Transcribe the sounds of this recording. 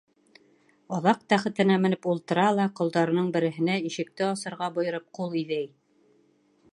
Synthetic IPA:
ɑðɑq̚t̪æχɘ̆t̪ɘ̆næmɘ̆nɘpulˠt̪ɤ̆ɾɑlˠɑqŏlˠd̪ɑɾɤ̆nɤɴbɘ̆ɾɘ̆ɦɘ̆næiʃɘ̆k̚t̪ɘɑsɤ̆ɾʁɑbŏjɤ̆ɾɤp̚qulˠiðæj

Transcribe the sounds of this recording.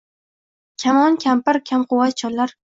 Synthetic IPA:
kʲʰamɒnkʲʰampɪɾkʲʰamqʰʊwat̪̚t͡ʃʰɒllːaɾ

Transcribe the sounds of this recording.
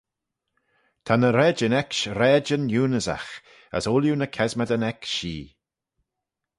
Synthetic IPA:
t̪ʰanəɾɛːd͡ʒənɛkʃɾɛːd͡ʒənjuːnəza̰x | ə̰soljunəkʰɛzməd̪ənɛkʃiː

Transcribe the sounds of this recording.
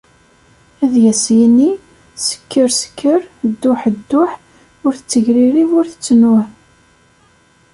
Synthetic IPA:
æðjæsjini | sə̥kːəɾsə̥kʰːəɾd̪ːʊħəd̪ːʊħ | ʊɾθət͡sːəʝɾiɾivʊɾθə̥t͡sːnʊʕ

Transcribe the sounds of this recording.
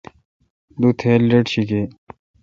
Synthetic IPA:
d̪ut̪ʰeːlːeʈɕike

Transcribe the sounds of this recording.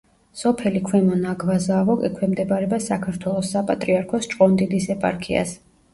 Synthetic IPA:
sɔpʰɛlikʰwɛmɔnaɡvazavɔkʼḭkʰwɛmd̪ɛbaɾɛbasakʰaɾt̪ʰwɛlˠɔsːapʼat̪ʼɾiaɾkʰɔst͡ʃʼqʼɔnd̪id̪isɛpʼa̰ɾkʰia̰s

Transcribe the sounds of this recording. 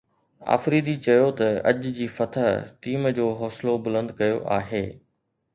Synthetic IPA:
a̰ːfɾiːd̪it͡ɕɐjot̪ɐɐ̰d͡ʑd͡ʑiːfɐt̪ʰəɦʈiːmd͡ʑoːɦɔːslobʊlə̃nd̪kɐjoʔa̰ːɦeː

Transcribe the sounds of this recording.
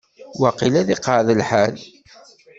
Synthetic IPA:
wɑqilæðiqəʕðəlħal

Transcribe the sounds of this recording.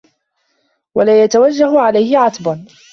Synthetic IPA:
walaːjat̪awad͡ʒːahʊʕalajhɪʕɑt̪ban

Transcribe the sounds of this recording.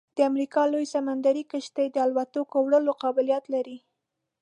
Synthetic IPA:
d̪̥əamɾikɑlojsamand̪aɾikəʃt̪əjd̪əalwat̪okowɽəloqɑbɪljat̪laɾi

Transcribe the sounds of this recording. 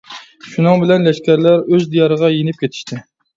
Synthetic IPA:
ʃunɨŋbɪlɛnlɛʃkʲæɾlæɾøzd̪ijɑɾəʁɑjenɪp̚kʲʰet̪ʰɪ̥ʃt̪ʰɪ

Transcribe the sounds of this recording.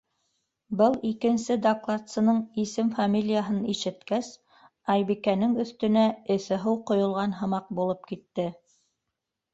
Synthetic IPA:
bɤlˠikɘ̆nsɘd̪ɐklˠat̪sɤ̆nɤɴisɘmfamʲilʲijaɦɤniʃɘ̆t̪kæs | ɑjβikænɘŋɵ̆θt̪ɵ̆næɘ̆θɘɦɤwqŏjŏlˠʁɑnɦɤ̆mɑq̚bulˠɤp̚kit̪ːɘ

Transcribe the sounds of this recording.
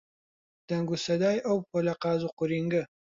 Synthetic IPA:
d̪̥ɐŋɡusɐd̪ɑːjʔɐwpʰolɐqɑːzuqʊɾiŋɡə

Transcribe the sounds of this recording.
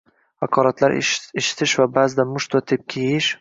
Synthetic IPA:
hakʰɒɾat̪laɾʔeʃɪ̥t̪ʰɪʃvabazɪd̪amʊʃt̪vat̪ʰep̚kʲʰejɪʃ

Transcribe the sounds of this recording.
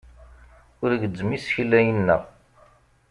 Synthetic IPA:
ʊɾɡəd͡zːmisçlːæjənːæ̰

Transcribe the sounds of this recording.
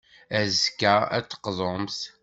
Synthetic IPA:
æzkææt͡sːə̥qzˤoms

